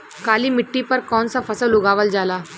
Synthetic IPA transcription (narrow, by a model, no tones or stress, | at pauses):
kaːlimɪʈːipɐɾkɔːnsafɐsəlʊɡaːʋəld͡ʒaːlaː